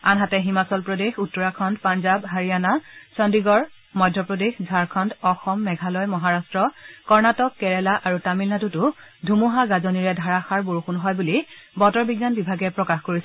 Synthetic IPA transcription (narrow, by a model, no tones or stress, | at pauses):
a̰nɦatɛɦimasɔlpɹodexutːɔɹakʰɔndpanzabɦaɹijanasɔndiɡɔɹ | mɔjdʱjɔpɹodexzʱaɹkʰɔndɔxɔmːɛɡʱalɔjmɔɦaɹastɹɔkɔɹnatɔkːɛɹɛlaʔaɹutamilnatutʊdʱumuɦaɡazoniɹɛdʱaɹaxaɹboɹuxunɦɔjbulibɔtɔɹbiɡːanbibʱaɡɛpɹɔkaxkoɹisɛ